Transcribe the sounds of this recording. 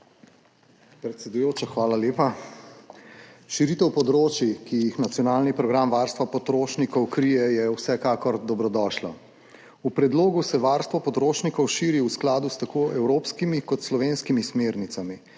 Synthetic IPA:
pɾɛt̪sʲɛd̪ujoːt͡ʃaxʋaːlaleːpa | ʃiɾit̪ɛwpɔd̪ɾoːt͡ʃjikijixnat̪sjɔnaːlnipɾɔɡɾamʋaɾst̪ʋapɔt̪ɾoːʃnikɔwkɾijɛjɛwsɛkaːkɔɾd̪ɔbɾɔd̪ɔːʃlɔ | upɾɛd̪loːɡusɛʋaɾst̪ʋɔpɔt̪ɾoːʃnikɔwʃiːɾiusklaːd̪ust̪akoːʔɛwɾoːpskimikɔt̪slɔʋeːnskimismeːɾnit̪sami

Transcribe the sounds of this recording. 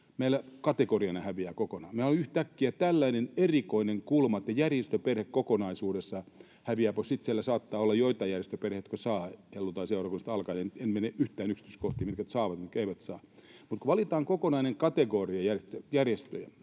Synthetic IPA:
meilækɑt̪ekoriɑnɑhæʋiæːkokonɑːmeiolyht̪ækːiæt̪ælːæinenerikoineŋkulmɑet̪ːæjærjest̪øperhekkokonɑisuːdesːɑ | hæʋiæposit̪sielːæsɑːt̪ːɑːolːɑjjoit̪ɑjærjest̪øperheit̪kosɑːhelːut̪ɑiseurɑkunːst̪ɑlkɑnent̪enmeneʔyht̪æːnyksi̥t̪yskoht̪iːmit̪kæt̪sɑːʋɑt̪mut̪keiʋæt̪sɑː | mut̪koʋɑlit̪ɑːŋkokonɑineŋkɑt̪eɡoriɑjærest̪øjærjest̪øjæ

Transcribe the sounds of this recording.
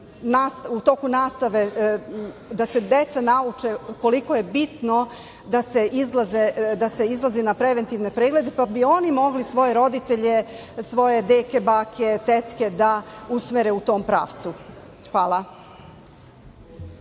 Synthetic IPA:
nast̪ut̪o̞kunaːst̪aʋe̞ | d̪ase̞d̪e̞t̪sanaut͡ʃeko̞liko̞je̞bit̪no | d̪aseʔizlˠazed̪ase̞izlˠazinapɾeʋe̞nt̪iʋne̞pɾeɡle̞d̪epabio̞nimo̞ɡlisʋo̞je̞ɾo̞d̪it̪eʎesʋo̞je̞d̪eːkebaːkʰet̪et̪ke̞d̪ausmeɾeut̪o̞ːmpɾa̰ːʋt̪su | xʋaːlˠa

